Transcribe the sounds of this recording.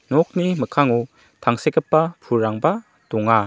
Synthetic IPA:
nɔk̚niməkʰaŋu | t̪ʰaŋsekəpːapʰuɾːaŋba | d̪ɔŋa

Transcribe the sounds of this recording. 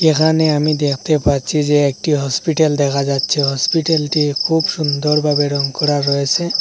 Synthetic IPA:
ekʰaneamid̪ekʰt̪epaɾt͡ʃʰid͡ʒeːk̚ʈiɦɔspiʈeld̪ekʰad͡ʒadt͡ʃʰiɦɔspiʈelʈikʰubsund̪ɔɾbʱabeɾɔŋkɔɾaɾɔɦesʰẽ

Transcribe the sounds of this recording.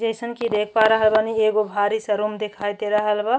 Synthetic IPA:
d͡ʒəɪsənkid̪ekʰpaɾəɦəlbanieɡobʱaɾisə̃ɾumd̪ekʰajt̪eɾəɦəlba

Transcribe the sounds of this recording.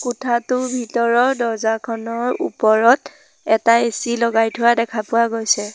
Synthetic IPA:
kʊtʰatʊbʱitɔɹɔdɔzakʰɔnɔɹṵpɔɹɔt | ɛtaesilɔɡajtʰʊwadɛkʰapʊwaɡojsɛ

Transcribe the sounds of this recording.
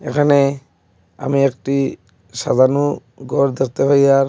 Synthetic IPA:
ḛkʰane | a̰miɛkʈi | sa̰d̪ʱanu | ɡɔɾd̪ek̚t̪eɦojaɹ

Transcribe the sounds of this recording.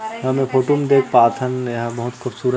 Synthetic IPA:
ɦɐmẽpʰoːʈoːmed̪eːk̚ʰpaːt̪ʰənjɐɦbɐɦʊt̪xʊbsuːɾə

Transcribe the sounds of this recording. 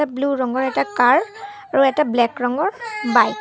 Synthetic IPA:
abluɹɔŋɡɔɹɛtakaɹaɹuɛtablɛkɹɔŋɡɔɹbaj

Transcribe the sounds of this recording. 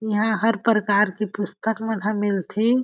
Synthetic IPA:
jɐɦãɦəɾpɾəkaːɾkipʊst̪ʰəkmenɦə̃mɪlt̪ʰe

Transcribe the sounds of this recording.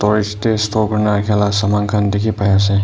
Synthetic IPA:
tɔɾistestɔkɾnakʰalasamaŋkʰandikʰipajas̬e

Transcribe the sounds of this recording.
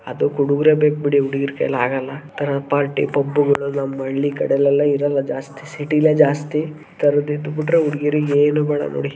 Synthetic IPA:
ɐ̰d̪ukuɽuɡɾebeːk̚biɽiuɽiɡiɾkɐ̰jlaːɡɐlːɐt̪ɐɾɐpaːɾʈḭpɐbːuɡɐɭunɐmːɐɭːikɐɽɛlːɐlːɐiɾɐlːɐd͡ʒaːst̪isiʈileːd͡ʒaːst̪i | t̪ɐɾɐd̪ind̪ubiʈɾeuɽiɡiɾueːnubɛːɽɐ̰no̰ːɽi

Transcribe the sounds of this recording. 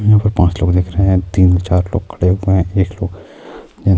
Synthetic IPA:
jɦãːpɐɾpãːt͡ʃloːɡd̪eːkʰɾəɦeɦɛ̃t̪iːnset͡ʃaːɾlo̰ːɡ̚kʰɐɽeɦʊeɦɛ̃eːkloːɡ | d͡ʒɛ

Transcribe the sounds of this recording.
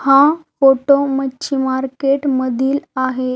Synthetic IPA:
hãfoʈomət͡ɕʰimaɾkeʈməd̪ʱiːlaɦe

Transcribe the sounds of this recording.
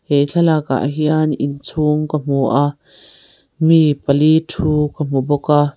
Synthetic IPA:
hejɬʰalaka̰ʔɦianint͡sʰuŋkəm̥uʔa | mipəlitʰuːkəm̥ubɔka

